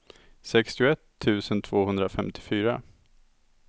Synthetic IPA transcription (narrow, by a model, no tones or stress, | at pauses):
sɛkst̪ɪʊɛt̪ʰːʉ̟ːsənt̪ʰv̥oːhɵnd̪ɾafɛmt̪ʰɪ̥fyːɾa